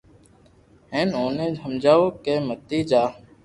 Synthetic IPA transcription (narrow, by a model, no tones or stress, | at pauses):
ɦẽːnoːnẽːd͡ʒʱəmd͡ʒaːoːkeːmət̪iːd͡ʒaː